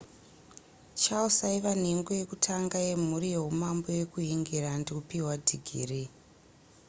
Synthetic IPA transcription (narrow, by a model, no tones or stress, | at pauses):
t͡ʃausaiʋan̤eŋɡoje̞kutʰaŋɡaje̞m̤uɾijeɦumambo̞je̞kuɦiŋɡiɾandeupiwadʱiɡʱḭːri